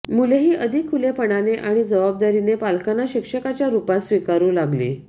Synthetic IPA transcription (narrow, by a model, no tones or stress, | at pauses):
muleɦiːʔəd̪ʱikʰːulepəɳ̃aneʔaɽ̃id͡zəʋab̚d̪aɾinepalkanaɕikʂəkat͡ɕjaɾupasʋikaɾũːlaɡlḭː